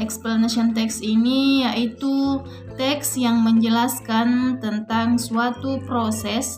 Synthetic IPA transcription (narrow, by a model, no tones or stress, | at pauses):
ɛksplanasiɔnt̪ɛksinijaʔit̪u | t̪ɛksjaŋməɲd͡ʒəlaskant̪ənt̪aŋsuat̪upɾosɛs